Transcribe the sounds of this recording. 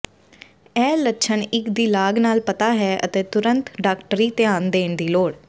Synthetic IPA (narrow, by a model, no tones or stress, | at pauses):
ɛːlətːʃʰəɳɪkd̪iːlaːɡnaːlpət̪aːɦɛːʔə̰t̪eːt̪ʊɾə̃nt̪ɖaːkʈəɾiːt̪ɪaːnd̪eːnd̪iːloːɽ